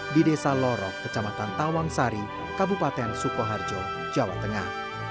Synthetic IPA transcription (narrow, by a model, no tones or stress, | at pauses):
didesalɔɾɔkːət͡ʃamat̪ant̪awaŋsaɾi | kabupat̪ɛansukɔɦard͡ʒɔ̥ | d͡ʒawa̰t̪ːəŋa̰h